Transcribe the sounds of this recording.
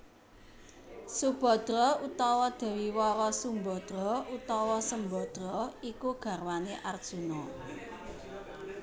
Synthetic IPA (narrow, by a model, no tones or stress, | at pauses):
sub̥ɔ̤d̪̥ɾɔut̪ɔwɔd̪̥ɛ̤wiwɔɾɔsumbɔd̪̥ɾɔut̪ɔwɔsəmbɔd̪̥ɾɔikuɡ̥ä̤rwaneʔard̥ʒ̥ṳnɔ